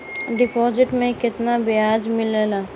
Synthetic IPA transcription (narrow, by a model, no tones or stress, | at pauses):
ɖɪpɔːd͡ʒɪʈmẽkɪt̪nabɪaːd͡ʒmɪlelaː